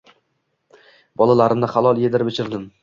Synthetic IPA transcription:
bɒlˠalaɾɪmd̪aχalˠɒlˠjed̪ɪɾɪbɪt͡ʃʰɪɾd̪ɪm

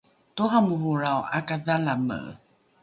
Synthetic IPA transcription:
toɦamuɦuɾawʔa̰kaðalamə̰

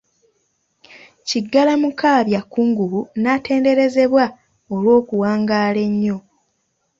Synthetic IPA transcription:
ciɡːalamukaːβjakːuːŋɡuβunate̞ːnde̞ɾe̞ze̞βwa | olwo̞ːkuwaːŋɡaːle̞ɲːo̞

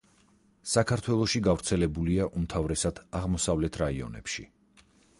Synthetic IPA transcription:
sakʰaɾt̪ʰwɛlˠɔʃiɡavɾt̪sʰɛlɛbuliaʔumt̪ʰavɾɛsad̪̥aʁmɔsavlɛt̪ʰɾaiɔ̰nɛ̰pʃḭ

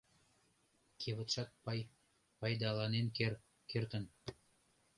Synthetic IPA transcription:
kʰeβə̆t̪ʃɑt̪̚pɑj | pɑjd̪ɑlɑnenk | kert̪ə̆n

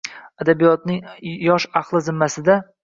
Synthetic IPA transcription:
ad̪abijɒt̪nɪŋjɒʃɑχlˠɪzɪmːasɪd̪a

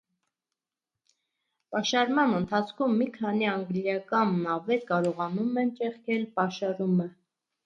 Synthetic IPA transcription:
pɑʃɑɾmɑnənt̪ʰɑt͡sʰkʰumːikʰɑniɑŋɡljɑkɑnɑvɛɾkɑɾɔʁɑnumɛnt͡ʃɛχkʰɛlpɑʃɑɾumə

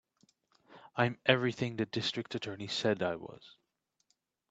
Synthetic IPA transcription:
ãɪ̃mʔɛvɹiθɪ̃ŋðɨt̚d̥ɪstɹ̥ɨk̚tɨtʰɜ˞nisɛdaɪwʌ̰z̥

